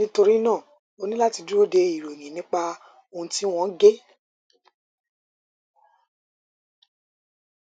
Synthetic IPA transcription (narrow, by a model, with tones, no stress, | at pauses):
nĩ˦to˧ɾi˦nãː˦˨ | o˧nĩ˦la˦ti˧d͡ʒu˦o˦de˧i˨ɾo˨nĩ˨nĩ˨˦k͡pa˧ | o˧ũ˧ti˦w̃ɔ̃˧˦ɡe˦